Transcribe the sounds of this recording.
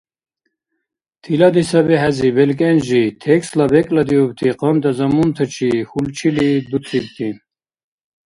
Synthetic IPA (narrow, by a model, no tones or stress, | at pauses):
t̪ʰilad̪isɐbɛɦæzibelkʼenʒit̪ʰekslɐbekʼlɐd̪iub̚t̪ʰiqɔnd̪ɐzɐmunt̪ʰət͡ʃʰihult͡ʃʰilid̪ut̪ʰib̚t̪ʰin